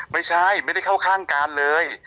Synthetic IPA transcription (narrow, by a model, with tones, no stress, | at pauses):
ma˥˩jt͡ɕʰa˥˩jma˥˩jda˥˩jkʰa˥˩wkʰaː˥˩ŋkaː˧nlɤː˧j